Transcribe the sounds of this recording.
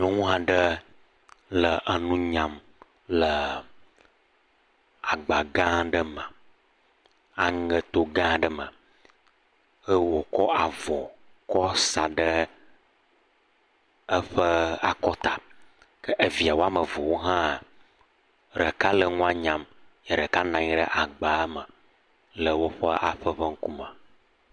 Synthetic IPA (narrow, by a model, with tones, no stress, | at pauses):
nõ˦ŋũ˦a˨ɖə˦ | lə˨ʔə˨nũ˦ɲã˨m | lə˨ | a˨ɡ͡ba˨ɡã˦ɖə˦mə̃˨ | a˨ŋə˨t̪o˨ɡã˦ɖə˦mə̰̃˨ | ə˦wo˨kɔ˦ʔa˨vɔ˨kɔ˦sa˨ɖə˦ | ə˦ɸə˦a˨kɔ˦t̪a˨ | kə˦ʔe˨vi˨a˨wo˦a˦mə˨vɔ˨wo˦ɦã˦˨ | ɾə˨ka˦lə˨ŋũ˦a˦ɲã˨mjə˨ɖə˨ka˦nã˨ɲi˦ɖə̰˦ʔa˨ɡ͡ba˨˦mə˨ | lə˨wo˦ɸə˦ʔa˨ɸə˦ɸə˦ŋ̩˦ku˦mə˨